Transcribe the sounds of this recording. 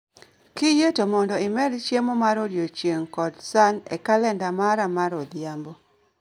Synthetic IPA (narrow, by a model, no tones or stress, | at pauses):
kijetomɔndɔɪmɛdt͡ʃjemomaɾodjot͡ʃjeŋkɔdsanɛ̰kalɛndamaɾamaɾod̪jambo